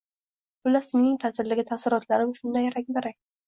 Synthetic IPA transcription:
b̥ʊlasɪmnɪŋt̪ʰazɪɾlɪɡʲɪt̪ʰasɪɾɒt̪ʰlaɾɪmʃʊnd̪ajaɾakʲbaɾak̚ʲ

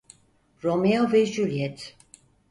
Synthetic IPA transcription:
ɾomeovɛʒylʲjɛt̪

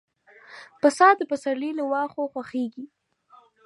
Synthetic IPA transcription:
pəsɑd̪əpəsaɾliləwɑxoxwaxeɡi

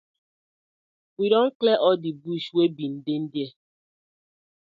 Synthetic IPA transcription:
wiɾɔŋ̩kleʔɔdibuʃwebin̩dɪn̩dje

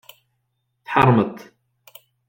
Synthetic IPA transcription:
θħɑrˤmət̪ˤ

